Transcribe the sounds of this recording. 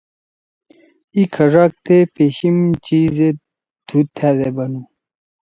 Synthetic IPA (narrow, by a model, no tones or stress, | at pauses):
ikʰɐʐak̚t̪epeɕimt͡ɕize | d̪̥ʰʱut̪ʰːæːd̪ebɐnu